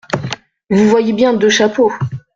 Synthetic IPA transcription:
vuvwajebjɛ̃d̪əʃapo

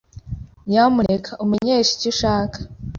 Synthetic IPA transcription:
jamunekʰaʔumeɲeːʃi̥ciʃaːkḁ

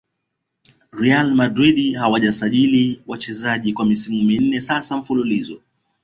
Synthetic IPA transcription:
ɾialmadɾiɗihawaʄasaʄiliwat͡ʃɛzaʄikwamisiŋɡimian̩nɛsasam̩fululizɔ

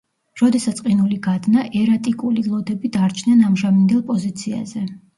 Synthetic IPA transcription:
ɾɔd̪ɛsat̪sʼqʼinuliɡad̪naʔɛɾat̪ʼikʼulilˠɔd̪ɛbid̪aɾt͡ʃʰnɛnamʒamind̪ɛlˠpʼɔzit̪sʰia̰zɛ

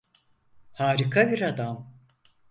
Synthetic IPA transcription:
haːɾikʰabiɾad̪am

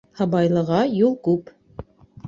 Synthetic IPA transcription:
hɑbɑjlˠɤ̆ʁɑjulˠkʉp

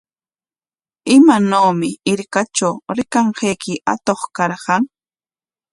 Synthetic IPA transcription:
ɪmanoːmɪɪɾkat͡ʃawɾɪkaɴɢejkɪʔa̰t̪oχkɑɾqɑŋ

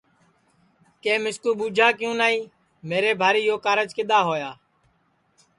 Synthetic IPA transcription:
kẽːmɪskuːɓuːd͡ʒʱaːkjũːnaːiː | meːɾeːbʱaːɾiːjoːkaːɾəd͡ʒkɪɗ̪aːɦoːjaː

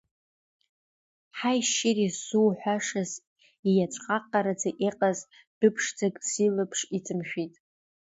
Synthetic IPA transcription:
ħajʃɪrisuwħʷᶣaʂaz | ijat͡ʃʷʰʼqʼaqʼːaɾad͡zaʔeqʼaz | d̥ɨpʰʂd͡zaɡʼsilɨpʰʂit͡sʰʼɨmʃᶣitʼ

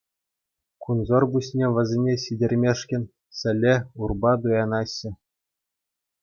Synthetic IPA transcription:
kunzorbuɕʲnʲeʋʲɘ̆zʲenʲesidʲerʲmʲeʂkʲɘ̆nʲ | sʲɘ̆lʲeurbɑd̪ujɑnɑɕːɘ̆

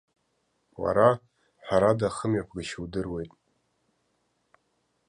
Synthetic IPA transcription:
wa̰ɾa | ħʷᶣaɾadaχəmjakʷʰɡaʃwdɨrwe̞jtʼ

